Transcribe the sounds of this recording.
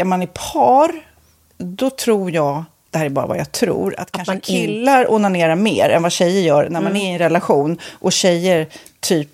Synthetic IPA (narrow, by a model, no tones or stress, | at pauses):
æɾmanæɾpʰɑːɾ | d̪ɔt̪ʰɾuːɾjɑːɡ | d̪̥ɛhæːɾæɾbɑːɾa̰va̰jat̪ʰɾṵːɾa̰t̪kʰanʂəɪlːaɾuːnaɳeːɾamḛːɾɛ̰nvaɕɛjːəɾjœːɾnæɾmanæɾɪɛnɾɛlaɧuːnʔɔɕɛjːəɾ | t̪ʰyːp